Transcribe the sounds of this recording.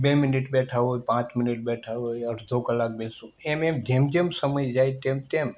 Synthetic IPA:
beminiʈbɛʈʰaɦojpãt͡ʃmɪniʈ̚bɛʈʰaɦojəɾd̪ʱokəlak̚bɛsũememd͡ʒemd͡ʒemsəməjd͡ʒajt̪emt̪em

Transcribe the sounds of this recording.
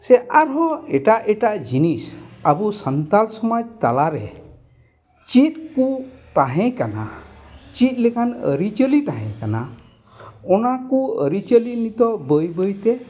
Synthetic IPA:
sɛʔaɾɦɔ̃ɛʈaʔʔɛʈaʔd͡ʒinisabusənt̪alsɔmad͡ʒt̪alaɾɛ̰ | t͡ʃit̪̚kut̪aɦɛ̃kana̰t͡ʃit̪̚ˀlɛkʰanə̰ɾit͡ʃəlit̪aɦɛ̰̃kana̰ | ɔnakuə̰ɾit͡ʃəlinit̪ɔbəjbəjt̪ɛ

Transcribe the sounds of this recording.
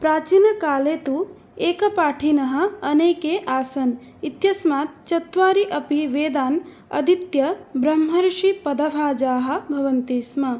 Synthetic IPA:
pɾaːt͡ʃinɐkaːleːt̪u | eːkɐpaːʈʰinɐɦɐ̆ɐneːkeːʔaːsɐn | it̪jɐsmaːt̪̚t͡ʃɐt̪ʋaːɾiʔɐpiʋeːd̪aːn | ɐ̰d̪it̪jɐbɾɐmɦɐɾʃipɐd̪ɐbʱaːd͡ʒaːɦɐ̆bʱɐʋɐnt̪iːsmɐ

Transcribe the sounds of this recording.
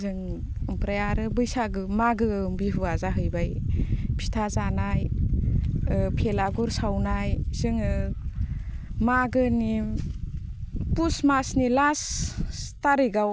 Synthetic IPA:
zɯŋ | mpɾajaɾɯbɯjsaɡɯmaɡɯmbiɦuazaɦɯjbajpʰi̥tʰazanaj | pʰelaɡuɾsawnajz̥ɯŋɯ | maɡɯni | pusmasnilas | taɾiɡaw

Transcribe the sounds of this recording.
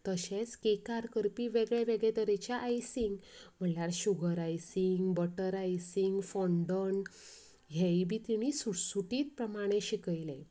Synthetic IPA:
t̪əɕet͡skekaɾkəɾpiʋeɡɭeʋeɡɭed̪əɾet͡ɕjaʔːjsiŋɡm̤əlaɾɕuɡəɾajsiŋɡbəʈəɾajsiŋɡfɔɳɖəɳ | ɦɛjibʱit̪iɽ̃isusuʈiːt̪̚pɾəmaɽ̃ẽɕikəjlẽ

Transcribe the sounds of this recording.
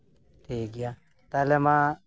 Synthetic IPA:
t̪ʰeːɡɪjaː | t̪aːlemãː

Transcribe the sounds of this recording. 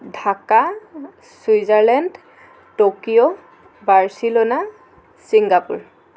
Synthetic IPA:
dʱaka | suizaɹlɛnd | tokijo | baɹsilona | siŋɡapuɹ

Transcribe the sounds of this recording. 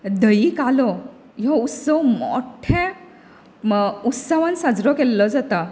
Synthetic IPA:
d̪əikalɔ | jɔut̪səwmo̰ʈʰɛ̃ | ut̪səʋãnsad͡zɾɔkelːɔd͡zat̪a

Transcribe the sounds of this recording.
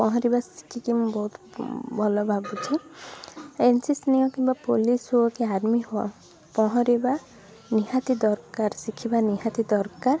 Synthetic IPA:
pɔɦɔ̃ɾibasi̥kʰikimbɔɦut̪bʱɔlɔbʱabut͡ʃʰi | ensisniɔkimbapolisɦuakiaɾmiɦoa̰ | pɔɦɔ̃ɾiba | niɦat̪id̪ɔɾkaɾsikʰibaniɦat̪id̪ɔɾkaɾ

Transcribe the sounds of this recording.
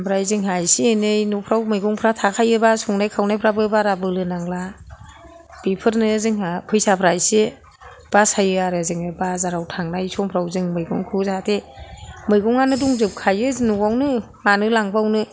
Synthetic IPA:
bɾajzɯŋɦajsienɯjnupʰɾawmɯjɡɔŋpʰɾatʰakʰajɯbasɔŋnajkʰawnajpʰɾabɯbaɾabɯlɯnaŋla | b̥ipʰɯɾnɯzɯŋhapʰɯjsapʰɾajse | b̥asajɯaɾɯzɯŋɯbazaɾawtʰaŋnajsɔŋpʰɾawzɯŋmɯjɡɔŋkʰɯzatʰemɯjɡɔŋanɯduŋzɯp̚kʰajɯznuwawnɯ | manɯlaŋbawnɯ

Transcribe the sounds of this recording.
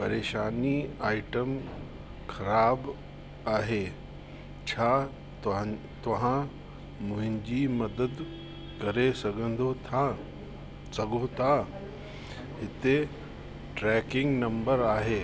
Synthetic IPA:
pɐɾeːʃaːniaːɪʈəm | xɐɾaːb | aːɦeː | t͡ɕʰaː | t̪ɐɦã | mʊ̃ɦɪ̃ɲd͡ʑimɐd̪əd̪ | kɐɾesɐɡʱə̃nd̪ot̪ʰa | sɐɡʱot̪ʰa | ɦɪt̪e | ʈɾɛːkɪ̃ŋɡnɐ̃mbəɾaːɦeː

